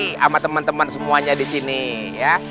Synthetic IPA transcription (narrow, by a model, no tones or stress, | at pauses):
a̰mat̪əmənt̪əmənsəmuaɲadisini | ja